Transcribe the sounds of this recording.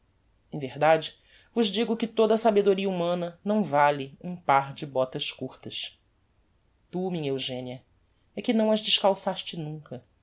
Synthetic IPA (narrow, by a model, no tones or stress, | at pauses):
ẽvehd̪ad͡ʒɪ | vʊʒd͡ʒiɡʊkɪt̪od̪ɐsabed̪oɾiɐumɐ̃nɐnɐ̃w̃valɪũpaɾd͡ʒɪbɔt̪ɐʃkuɾt̪ɐʃ | t̪umĩɲɐewʒẽniɐ | ɛkɪnɐ̃w̃ɐʒd͡ʒɪʃkawsaʃt͡ʃɪnũkɐ